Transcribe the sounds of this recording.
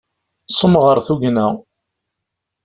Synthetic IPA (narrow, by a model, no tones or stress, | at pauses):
sˤːəmʁəɾˤθuʝnæ